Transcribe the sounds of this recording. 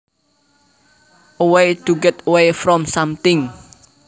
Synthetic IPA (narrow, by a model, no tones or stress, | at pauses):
ʔowejd̪̥uɡɛt̪wejfɾɔmsamt̪ɪŋ